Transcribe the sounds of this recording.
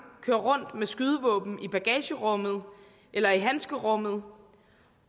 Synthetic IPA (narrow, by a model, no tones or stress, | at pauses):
kʰøːɐʁɔ̽n̰d̥mesɡ̥yð̞ˠəʋɔ̽ːb̥n̩ib̥æɡ̥ɛ̰ːɕəʁɔ̽mð̞̩ˠ | ʔelɐiɦænsɡ̥əʁɔ̽mð̩ˠ